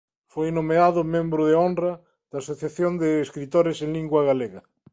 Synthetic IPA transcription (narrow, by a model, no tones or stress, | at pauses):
fojnomeaðʊmẽmbɾʊðeonra | ð̥aːsoθjaθjond̪eːskɾit̪oɾesẽnliŋɡwaɣaleɣa